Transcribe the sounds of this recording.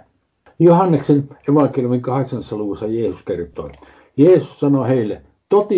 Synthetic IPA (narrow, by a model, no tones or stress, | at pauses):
johɑnːekseneʋɑŋkeljumiŋkɑheksɑnːesːɑluʋusːɑjeːsuskert̪ˑo̰ˑi | jeːsussɑnoheˑilːe | t̪ot̪iˑ